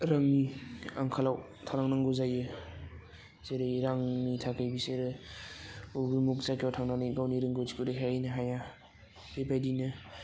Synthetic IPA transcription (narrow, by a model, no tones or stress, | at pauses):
ɾaŋniaŋkʰalaw | tʰaɾaŋnaŋɡuzajɯ | zeɾɯiɾaŋnitʰakɯjbiseɾɯ | uɡumuk̚zakjawtʰaŋnanijɡawniɾɯŋɡozikuɾekʰajɯjnɯɦaja | bebajdinɯ